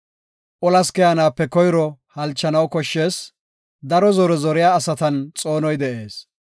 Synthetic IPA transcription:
ʔɔlɐskɛjɐnaːpːɛkɔjɾɔhɐlt͡ʃːɐnɐwkɔʃːe̞ːs | d̪ɐɾɔzɔɾɛzɔɾɪjaːsɐt̪ɐnt͡sʼoːnɔjd̪ɛʔe̞ːs

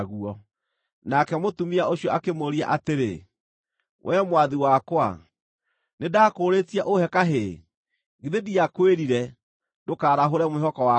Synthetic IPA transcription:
ɣuɔ | nakɛmotumiaoɕjɔakemoɾia̰ʔateɾḛ | wʔɛmwaðiwakwa̰ | nedaːkoɾetiaʔohɛkaɦe | ɡeðediakweɾiɾɛ | dokaːɾaɦoɾɛmohɔkɔwa

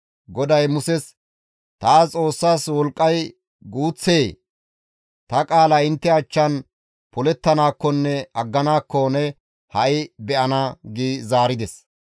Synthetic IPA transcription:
ɡɔd̪ɐjmʊsɛs | t̪aːt͡sʼo̞ːsːaːswɔlkʼːɐj | ɡuːt͡sːeː | t̪ɐkʼaːlɐɪnt̪ːɛɐt͡ʃːɐn | pɔlɛt̪ːɐnaːkːɔnːɛɐɡːɐnaːkːɔnɛ | hɐʔɪbɛʔɐnɐɡiːzaːɾɪd̪ɛs

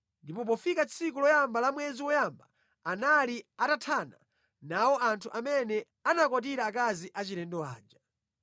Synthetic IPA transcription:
ndipɔp̬ɔfikat͡sʰikulɔjambalamwɛziwɔjamba | analiatatʰana̰ | nawɔʔantʰuʔamɛnɛ | anakwat̬iɾaːkaziʔat͡ʃiɾɛndɔa̰ːd͡ʒa

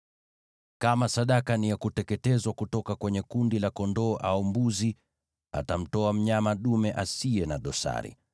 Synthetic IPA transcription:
kamasaɗakanijakutɛkɛtɛzwakutɔkakwɛɲɛkundilakɔndɔːʔaumbuzi | a̰tam̩tɔam̩ɲamaɗumɛʔasiɛnaɗɔsa̰ɾḭ

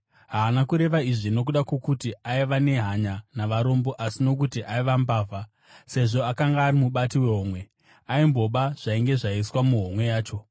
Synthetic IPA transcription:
ɦaːnakuɾe̞ʋaiʐino̞k̬uɗakwokutiaiʋane̞ɦaɲanaʋaɾo̞mbo̞ʔasino̞k̬utiʔaiʋambaːva | se̞ʐo̞akaŋɡaːrimuɓatiwe̞ɦoːmwe̞ | aimbo̞ɓaʐ̥aiŋɡe̞ʐaiswamuɦomwe̞jaːt͡ʃo̞

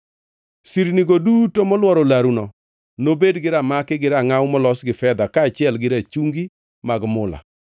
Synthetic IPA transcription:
siɾniɡodutomɔlwɔɾɔlaɾunɔ | nobedɡɪɾamakɪɡɪɾaŋawmɔlɔsɡɪfɛd̪akaːt͡ʃɪɛlɡɪɾat͡ʃuŋɡi | maɡmʊla̰

